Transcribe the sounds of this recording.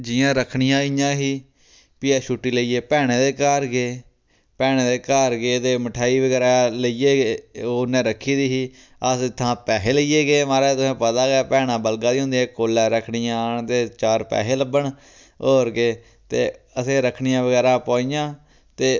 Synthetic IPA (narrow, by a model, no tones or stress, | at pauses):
d͡ʒɪːãːɾəkʰɳijãːijãːɦiː | piɛːʃuːʈːiːləiːeːpɛːɽ̃eːd̪eːkaːɾɡeː | pɛːɽeːd̪eːkaːɾɡeːt̪eːməʈʰaːiːʋəɡɛːɾaːləieːɡeːoːnɛ̃ːɾəkʰːiːd̪iːɦiː | əsɪt̪ʰːãːpɛːɦeːləiːjeːɡeːmaːɾɛːt̪ʊsɛ̃ːpət̪aːɡɛːpɛːnãːbəlɡãːd̪iːõːnd̪iːɛːkoːlːɛ̃ːɾəkʰɳɪjãːɳt̪eːt͡ʃaːɾpɛ̰ːɦeːləbəɳ | oːɾɡeː | t̪eː | əsẽːɾəkʰɳijãːʋəɡɛːɾaːpaːiːjãː | t̪eː